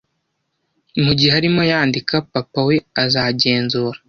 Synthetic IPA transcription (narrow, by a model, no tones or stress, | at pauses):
muɟiheaɾimo̞jaːndikapapawe̞azaɟe̞ːnzuːɾḁ